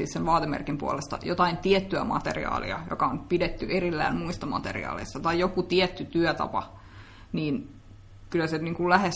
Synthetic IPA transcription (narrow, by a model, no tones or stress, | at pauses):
ḭːssenʋɑːt̪emḛrkimpuolest̪ɑ̰jot̪ɑint̪iet̪ːyæmɑ̰t̪ḛrḭɑ̰ːlḭɑ̰jo̰kɑonpidet̪ːyʔerilːæːnmuist̪ɑmɑ̰t̪erḭɑ̰ːlḛist̪ɑt̪ɑijokut̪iet̪ːyt̪yæt̪ɑ̰pɑ̰ | niːn | kylːˑæseniːŋkullæhes